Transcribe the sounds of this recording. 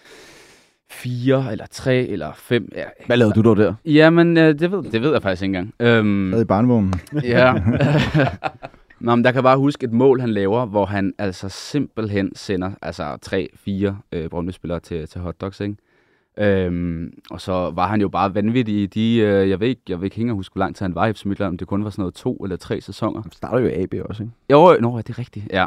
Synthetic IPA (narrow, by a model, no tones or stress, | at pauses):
fiːɐelʔɐt͡sʰʁɛ̰ːelɐfem̰jæʋælɛːʊɐd̥ud̥ɒʊd̥æɐ̰jæmenød̥e̝ʋe̝ð̰ˠd̥eʋe̝ð̰ˠjɑ̈fɑɡ̥isɡe̝n̩ɡɑ̈ŋ̰ømɛðˠib̥ɑ̈ːnəʋɔːnn̩jjæ | nɒmnjɑ̈kʰæb̥ɑ̈ːhusɡ̥e̝d̥mɔ̰̽ːlɦænlɛːʊɐʋɒɦænæl̰sɒse̝m̰b̥l̩ɦensenɐʔælsɐt͡sʰʁɛ̰ːfiːɐøb̥ʁɔmlisb̥e̝lɐːt͡sʰe̝t͡sʰe̝ɦɒ̽d̥ɒ̽ɡ̥seɡ̥ | ʔømɒ̽sɒ̽ʋɑ̈ɦænjo̝b̥ɑ̈ːʋænʋid̥iːd̥iøjɑ̈ɪʋe̝̰eɡ̥jaɪʋeðˠeɡ̥he̝ŋəɒhusɡ̥ʋɒlɑ̈ŋ̰d̥shænʋɑ̈efsmid̥lænɒmd̥e̝kʰɔ̽nʋɑ̈sɒ̽nɔ̽ːðˠt͡sʰo̝̰ːelɐt͡sʰʁɛ̰ːsesɒ̽ŋ̰ɐsd̥ɑ̈ːɾɐjoiʔɛ̰ːb̥e̝̰ːɒ̽seɡjonojæd̥e̝ʁɛɡ̥̚d̥ijæ